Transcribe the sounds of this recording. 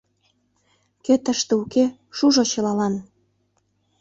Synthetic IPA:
ket̪əʃt̪ĕuke | ʃuʒot͡ɕɤ̆lɑlɑn

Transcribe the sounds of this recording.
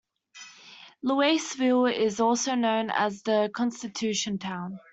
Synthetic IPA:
ləeɪsvɪlˠɪzɔˑlˠsəʊnə̃ʊ̃nə̰zðəkʰɒ̃nstɪtʰʉˑʃə̃ntʰãʊ̃n

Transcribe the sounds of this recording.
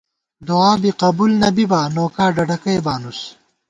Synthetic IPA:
d̪oaːbiqɐbulnɐbibaːnoːkaːɖɐɖɐkɐjbaːnus

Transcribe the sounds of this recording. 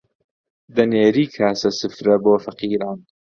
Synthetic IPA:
d̪ɐneːɾiːkʰaːsɐsɨfɾɐboːfɐqiːɾɑːn

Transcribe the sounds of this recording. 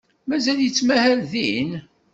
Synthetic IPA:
mæzæljət͡sːmæhælðḭn

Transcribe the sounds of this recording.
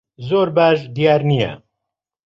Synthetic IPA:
zoːɾbaːʃd̪ijaːɾnijɛ̰

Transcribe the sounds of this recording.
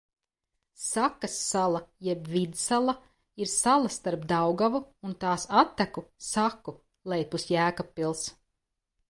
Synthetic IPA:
sakɐsːalˠajɛbvid̪salˠɐ | iɾsalˠɐst̪aɾpd̪awɡavuːnt̪aːsat̪ːækusaku | lˠɛjpusjæːkapːilˠs

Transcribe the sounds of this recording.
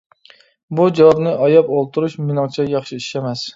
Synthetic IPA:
bud͡ʒɑwɑbnɪʔɑjɑpolˠt̪ʰuɾuʃmɪnɨŋt͡ʃʰɛjɑχʃii̥ʃɛmɛs

